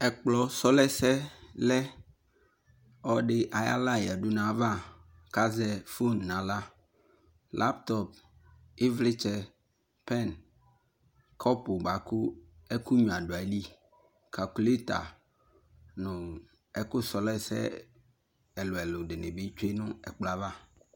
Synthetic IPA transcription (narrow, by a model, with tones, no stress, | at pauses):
ɛ˨k͡plɔ˦sɔ˦lɛ˦sɛ˦lɛ˦ | ɔ˦ɖɪ˦ʔa˨ja̰˦la˦˨jɛ˨ɖu˦nã˨vã˦˨ | ka˦zɛ˦fo˦nːã˨la˦ | lʔa˦p̚t̪ɔ˦p̚ | e˦vlɪ˦t͡ʃɛ˦ | pɛ˦˨n | kʰɔ˦pʊ˨ɡ͡ba˨ku˦ɛ˦ku˦ɲũ˨a˨ɖʊ˨a˨li˦ | kʰa˨ku˨le˦t̪a̰˨ | nʊ̃˨ | ɛ˦kʊ˦sɔ˨lɛ˦sɛ̰˦ | ɛ˨lʊ˨ɛ˨lʊ˨ɖɪ˨nɪ̃˨be˦t͡ʃe˦nʊ̃˦ɛ̰˨k͡pla˦va˦